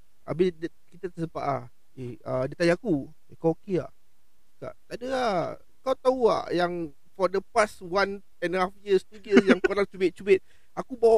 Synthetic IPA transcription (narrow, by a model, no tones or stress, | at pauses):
a̰bɪdə | kit̪at̪əsəpa̰ʔa̰ | eədət̪ajiaku | ekaokea̰ʔ | ka̰ʔt̪aʔdəa | kawt̪aua̰ʔjaŋ | fɔdəpaswan | ɛ̃nhafjiəst̪ujisjaŋkoɾaŋt͡ʃubɪt̪̚t͡ʃubet̪̚ | ʔakubaw